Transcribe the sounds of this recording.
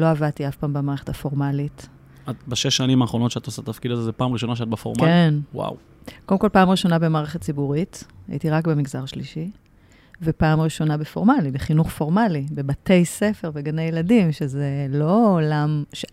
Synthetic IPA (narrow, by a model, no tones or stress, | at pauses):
lo̞avadt̪iafpaːmbemaːʁeχe̞tafo̞ʁmalit | at̪baʃeʃːanimaːχʁo̞no̞tʃeat̪osatat̪afkid̪azezepaːmʁiʃo̞naʃeat̚befo̰mkaenwa̰w | kodemkolpaːmʁiʃo̞nabemaːʁe̞χett͡sibuʁita̰ʔḭtiʁakbemiɡzaʁʃliʃi | vepaːmʁiʃo̞nabefo̞̰ʁmalibeχinuχfo̞ʁmalibebate̞jse̞fe̞ʁveɡanejeladimʃe̞ze̞lo̞ːlamʃe